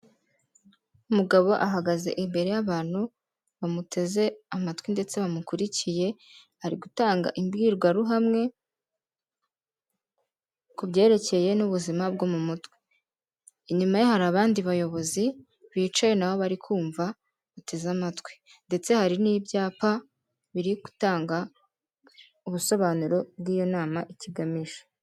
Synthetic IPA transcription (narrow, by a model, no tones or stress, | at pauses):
umuɡaβo̞ʔaɦaɡaze̞̰ʔimbe̞ɾe̞jaβaːn̥hu | βamutʰe̞ze̞amatwinde̞t͡se̞βamukuɾicije̞ | haɾiɡutaːŋɡa̰ʔimbɡiːɾɡwaɾuɦamŋe̞ | kubɟe̞ːɾe̞ce̞je̞nuβuzimab̚ɡomumutwi̥ː | ɲumajohaɾaːβaːndiβajo̞βo̞zi | βiːt͡ʃaje̞nawo̞βaɾikʰuːɱva | βate̞zamatwe̥ | nde̞t͡se̞haɾinibjaːpa | βiɾiku̥taːŋɡa | uβuso̞βaːnuɾo̞b̚ɡiːjo̞naːmaʔiciɡamiʒḁ